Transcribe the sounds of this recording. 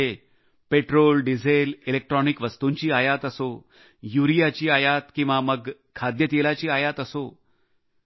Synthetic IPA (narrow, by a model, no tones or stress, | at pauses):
e | peʈɾolɖid͡zʱelilek̚ʈɾɔnikʋəst̪uɲt͡ɕiːajat̪əso | juɾijat͡ɕiːajat̪kĩw̃ʋaməɡkʰad̪jət̪jelat͡ɕiːajat̪əso